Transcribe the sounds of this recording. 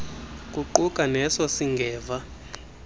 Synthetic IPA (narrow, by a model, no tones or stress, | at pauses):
k̬ʼuǃukʼanɛsɔsiŋɡʱɛːva